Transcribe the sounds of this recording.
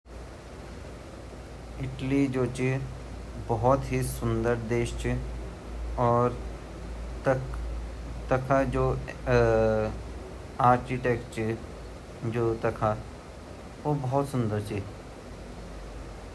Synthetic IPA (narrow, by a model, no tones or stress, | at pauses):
ɪʈlid͡ʒoːt͡ʃi | bɔɦɔt̪ɦisʊnd̪əɾd̪eːʃt͡ʃi | ɔːɾ | t̪ɐkʰad͡ʒoː | aːɾkiʈeːkʈt͡ʃi | d͡ʒoːt̪ɐkʰa | ʋobɔɦɔt̪sʊ̃nd̪əɾt͡ʃi